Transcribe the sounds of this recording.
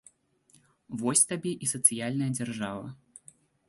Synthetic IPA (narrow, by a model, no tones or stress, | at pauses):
vɔsʲt̪abʲɛʔisɐt̪sɨjalʲnɐjɐd͡zʲarʐavɐ̰